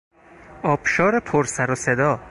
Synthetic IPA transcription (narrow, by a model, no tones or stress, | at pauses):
ɒːbʃɒːɾepʰoɾsæɾosed̪ɒː